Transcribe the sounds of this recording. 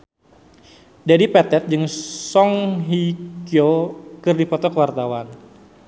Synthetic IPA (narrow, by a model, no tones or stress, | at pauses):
dadipɛt̪ɛt̪̚d͡ʒɨŋsɔŋɦikiokɨrdipɔt̪ɔkəwart̪awan